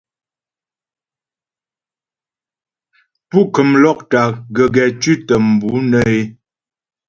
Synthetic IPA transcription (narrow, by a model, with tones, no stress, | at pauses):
pu˦˨kə˨mlɔ˦k̚ta˨ɡə˨ɡɛ˨t͡ʃi˦tə˨m̩˨bu˨˦nə˦e˦